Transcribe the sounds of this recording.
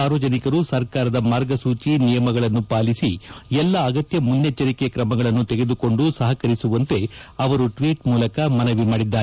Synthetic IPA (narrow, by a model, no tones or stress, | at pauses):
aːɾʋɐd͡ʒɐnikɐɾusɐɾkaːɾɐd̪ɐmaːɾɡɐsuːt͡ʃinijɐmɐɡɐɭɐnːupaːlisiɛlːɐːɡɐt̪jɐmunːɐt͡ʃːɐɾikekɾɐmɐɡɐɭɐnːut̪eɡe̞d̪uko̞ɳɖusɐɦɐkɐɾisuʋɐnt̪e̞ɐʋɐɾuʈʋiːʈmuːlɐkɐmɐnɐʋimaːɽid̪ːaːɾe